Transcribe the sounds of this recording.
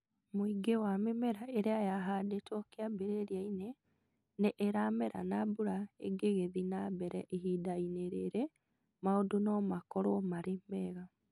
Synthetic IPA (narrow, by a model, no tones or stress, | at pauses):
moiɡewamemɛɾaeɾeajaɦadetɔkeabeɾeɾiaine | neʔeɾamɛɾa̰nabuɾaḛɡeɣeðinabɛɾɛ̰ʔeɦiːdaineɾeɾe | maodonɔmakɔɾomaɾemɛɣa